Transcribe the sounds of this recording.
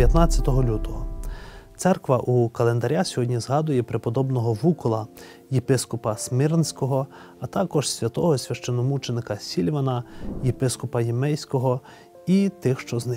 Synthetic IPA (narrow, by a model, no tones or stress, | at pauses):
jɐt̪nɑt͡sʲːɐt̪ɔɦɔlʲut̪ɔɦɔt̪sɛrkʋɐʔukɐlˠe̞nd̪ɐɾʲasʲɔɦɔdʲnʲizɦɑd̪ʊjɛpɾepɔd̪ɔbnɔɦɔʋukɔlˠɐ | jepɪskɔpɐsmɪɾnsʲkɔɦɔ | ɐt̪ɑkɔʃsʲʋʲɐt̪ɔɦɔsʲʋʲɐʃt͡ʃenɔmut͡ʃenɪkɐsʲilʲʋɐnɐjepɪskɔpɐjimɛjsʲkɔɦɔ | it̪ɪxʃt͡ʃɔznɪ